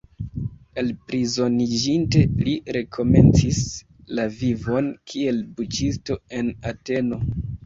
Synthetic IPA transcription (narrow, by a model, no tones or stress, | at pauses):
e̞lpɾizo̞nid͡ʒinte̞liɾe̞kʰo̞me̞̰nt͡sis | lavivo̞nkʰie̞lbut͡ʃisto̞e̞nate̞no̞